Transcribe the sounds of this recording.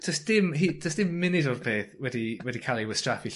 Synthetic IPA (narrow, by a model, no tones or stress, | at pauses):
d̥əsd̥ɪmɦid̥əsd̥ɪmːɪnɪdɔrbʰeːθwɛdiwɛdikʰalˠiwəstrafi